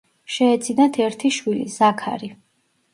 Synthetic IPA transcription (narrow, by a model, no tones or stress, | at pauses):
ʃɛːt̪sʰʼinat̪ʰɛɾt̪ʰiʃwilḭzakʰa̰ɾi